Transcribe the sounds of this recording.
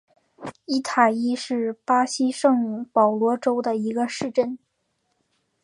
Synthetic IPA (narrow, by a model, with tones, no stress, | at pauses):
i˥˩t̪ʰa˨˩i˥ʂɻ̩˥˩pa˥ɕi˥ʂɤ˥˩ŋpɑ˨˩ʊlwɔ˧˥ʈ͡ʂo˥ʊd̪ə˨i˧˥ɡə˧ʂɻ̩˥˧ʈ͡ʂə˥˩n